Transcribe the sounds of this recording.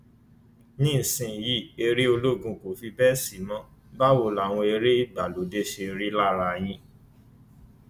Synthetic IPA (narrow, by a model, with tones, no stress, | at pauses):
nĩ˦˨sĩ˧˨ji˦˨e˧ɾe˦o˧lo˦˨ɡũ˧ko˨fi˧bɛ˦si˨˦mɔ̃˦ | ba˦wo˧la˨w̃ɔ̃˧e˧ɾe˦i˦˨ɡ͡ba˨lo˨˦de˦ʃe˧ɾi˦la˦ɾa˧j̃ĩ˧